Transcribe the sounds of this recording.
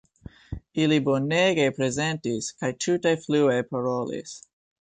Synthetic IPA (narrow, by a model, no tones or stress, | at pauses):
iliboneɡe̞pɾe̞ze̞ntiskajtʰutajfluejpaɾolḭs